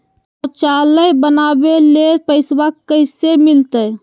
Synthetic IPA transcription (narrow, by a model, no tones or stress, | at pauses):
t̪ɔt͡ʃaːləjbənabelepəɪswakkːəɪsemɪlt̪əj